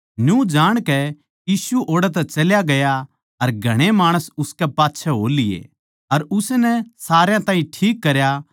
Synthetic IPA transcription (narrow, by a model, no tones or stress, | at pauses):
njũd͡ʒaːɽ̃kɛ | jiːsuʔoːɽat̪̬ɛt͡ʃɐljaɡɐja | ɐɾɡʱɐɽ̃emaːɽ̃əsʊskɛpaːtːʃʰɛɦo̰ːlɪjḛ | ɐɾʊsenɛsaːɾjãt̪ãːĩʈʰiːkːɐɾja